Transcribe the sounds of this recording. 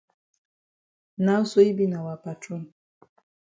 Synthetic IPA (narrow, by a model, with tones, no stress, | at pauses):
na˦so˦i˦bi˦na˨wa˨pa˨tɔ˦˨m